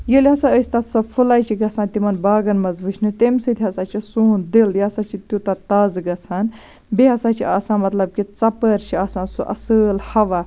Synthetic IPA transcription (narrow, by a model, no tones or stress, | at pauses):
jəlʲɦɐsaəsʲt̪ɐt̪ʰsɐfulaːjt͡ʃʰiɡɐt͡sʰãːnt̪imɐnbaːɡɐnmɐzʋɨʃʰnɨt̪emsɨt̪ʰʲiɦɐsaːt͡ʃʰisuːnd̪iljasat͡ʃʰit̪jut̪ɐt̪ɐzɡɐt͡sʰaːn | biɦɐsaːt͡ʃʰiʔaːsãːmɐt̪lɐb̚kit͡sɐpəɾt͡ʃʰiaːsãːnsuʔɐ̰səːlhɐʋaː